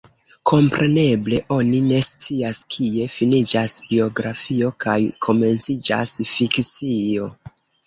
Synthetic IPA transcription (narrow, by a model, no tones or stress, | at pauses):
kʰo̞mpɾʔe̞ne̞ble̞ʔo̞nine̞st͡siaskʰie̞finid͡ʒasbio̞ɡɾafio̞kʰajkʰo̞me̞nt͡sid͡ʒa̰sfikt͡sio̞